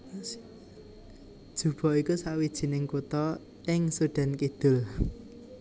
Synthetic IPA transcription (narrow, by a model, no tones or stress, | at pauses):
d̥ʒ̥ṳb̥ɔ̤ikusawid̥ʒ̥i̤nɪŋkut̪ɔ | ɪŋsuɖ̥ɛ̤nkid̪̥ʊ̤l